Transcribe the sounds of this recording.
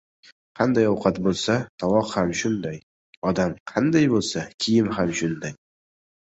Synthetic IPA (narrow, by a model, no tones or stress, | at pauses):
qʰɑnd̪ajɒwqʰɑt̪bolˠsat̪ʰɒwɒqhamʃʊnd̪aj | ɒd̪amqʰɑnd̪ajbolˠsakʲʰɪjɪmɦamʃʊnd̪aj